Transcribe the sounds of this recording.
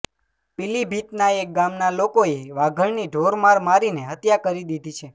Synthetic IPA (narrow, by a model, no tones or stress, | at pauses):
pilibʱit̪naek̚ɡamnalokoeʋaɡʱəɳniɖʱoɾmaɾmaɾineɦət̪jakəɾid̪id̪ʱit͡ʃʰe